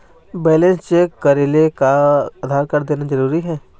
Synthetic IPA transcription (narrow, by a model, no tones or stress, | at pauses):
bɛːlẽnst͡ʃekɐɾeːlekaad̪ʱaːɾkɐɾd̪eːnad͡ʒɐɾuːɾiɦɛ̃ː